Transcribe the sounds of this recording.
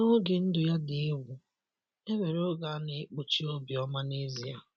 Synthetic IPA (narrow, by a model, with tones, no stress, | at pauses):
no˦ɡɪ˨n̩˦dʊ˨ja˦dɪ˨e˦wʷu˨ | e˦me˨ɾo˦ɡa˨˦ne˨˦k͡po˦t͡ʃi˦o˦bi˨ɔ˦ma˦ne˦zi˨a̰˨